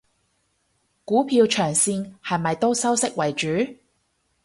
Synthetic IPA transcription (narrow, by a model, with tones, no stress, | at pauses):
kuː˨˥pʰiː˧wt͡ʃʰœː˨˩ŋsiː˧nhɐ˨˩mɐ˨jt̪o˥wsɐ˥wsɪ˥k̚wɐ˨˩jt͡ʃyː˨˥